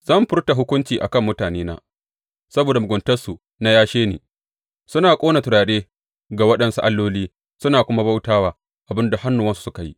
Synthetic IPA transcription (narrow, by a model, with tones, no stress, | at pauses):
z̥ɐ˦˨mɸɪ˦rta˨ɦʊ˦kʷʊ˦nt͡ʃiː˨ʔa̰˨kɐ˦˨mːʊ˦taː˨neː˦na̰ː˦ | sɐ˦boː˨da˨mʊ˨ɡʷʊ˨ntɐ˦rsu˨ | na˦jaː˦ʃeː˦nḛː˨ | sʊ˦naː˨kʷʼoː˦na˨tʊ˨ɽaː˨ɗeː˦ | ɡa˨wɐ˦ɗɐ˨nsu˦ʔa˦lːoː˦liː˦ | sʊ˦naː˨kʷʊ˦ma˦ba˦wtaː˦waː˨ | ʔa˨bɪ˦nda˨ha˦nːu˨wɐ˦nsu̥˨˦sʊ˦ka˨jḭ˦